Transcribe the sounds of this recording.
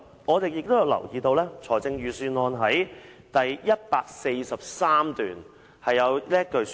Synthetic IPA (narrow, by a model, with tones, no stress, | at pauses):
ŋɔː˨˧t̪e˨jɪ˨k̚t̪o˥wjɐ˨˧wlɐ̰˨˩wjiː˨˧t̪o˧wlɛː˥t͡sʰɔː˨˩t͡sɪ˧ŋjyː˨syː˧nɔː˧nɦɐ˨˥j | t̪ɐ˨˩jjɐ˥t̚paː˧k̚se˧jsɐ˨p̚saː˥mt̪yː˨n | hɐ˨jːɐ˨˧wlɛː˥kɵ˨˧